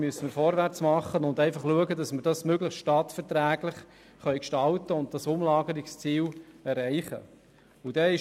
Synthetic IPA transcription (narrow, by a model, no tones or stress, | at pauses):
myəsəmɪɾfɔɾʋært͡smɑχːənʊndæɪfɑχluəɡədɑsməɾd̥ɑsmøɡləχstʃtɑtfɛɾtɾæːɡlɪχ | χœʏkʃtɑltəʊnt̚d̥ɑsʊmlɑːɡəɾɪkst͡siːlɛɾæɪχə̰ | ʊd̥ɛɪ